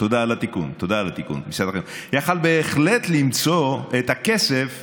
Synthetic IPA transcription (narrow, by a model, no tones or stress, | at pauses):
t̪od̪aːlat̪ikṵnt̪od̪aːlat̪ikṵnmisad̪aχe | jaχalbe̞ːχlet̪limt͡so̞et̪ake̞sef